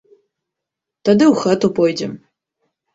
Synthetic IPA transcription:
t̪ɐd̪ɨwxɐtupʰojdɛm

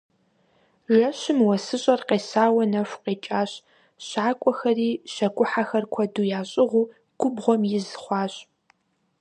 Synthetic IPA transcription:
ʒɐɕɪmwɐsɨɕʼɐrqeːsaːwɐnɐfʷqeːt͡ʃʼaːɕ | ɕaːkʷʼɔxɐriːɕɐkʷʼʊħaxɐrkʷʰɐduːjaːɕʼɪʁʷuː | ɡ̥ʷʊbʁʷɔmjɪzχʷɑːɕʼ

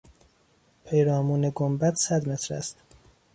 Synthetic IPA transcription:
pʰejɾɒːmuːneɡombæt̪ʰsæd̪met̪ʰɾæ̰st̪

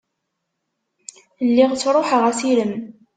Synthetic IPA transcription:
lːiʁt͡sːɾˤoħəʁæsiləm

